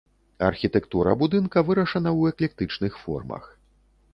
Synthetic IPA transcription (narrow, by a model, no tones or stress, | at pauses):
ɐ̰rxʲit̪ɛkt̪uɾɐ̰bud̪ɨnkɐvɨɾɐʂɐnɐwɛklʲɛk̚t̪ɨt͡ʂnɨxfɔ̰rmɐ̰x